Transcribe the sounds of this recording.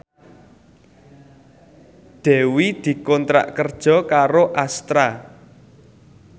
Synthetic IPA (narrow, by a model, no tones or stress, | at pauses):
d̪̥ɛ̤wid̪̥i̤kɔnt̪ɾa̰ʔkərd̥ʒ̥ɔ̤kaɾoʔast̪ɾa